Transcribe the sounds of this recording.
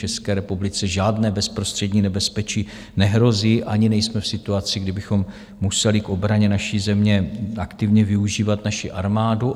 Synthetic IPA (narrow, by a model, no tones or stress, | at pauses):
t͡ʃɛskɛːɾɛpublɪt͡sɛʒaːdnɛːbɛspɾo̞st̪r̝̥ɛdɲiːnɛbɛspɛt͡ʃiː | nɛɦɾo̞ziːʔaɲɪnɛjsmɛfsɪt̪uat͡sɪɡdɪbɪxo̞m | musɛlɪkʔo̞bɾaɲɛnaʃiːzɛmɲɛakt̪ɪvɲɛvɪuʒiːvat̪naʃɪʔaɾmaːdu